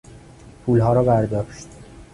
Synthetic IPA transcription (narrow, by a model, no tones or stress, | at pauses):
pʰuːlɦɒːɾɒːbæɾd̪ɒːʃt̪̚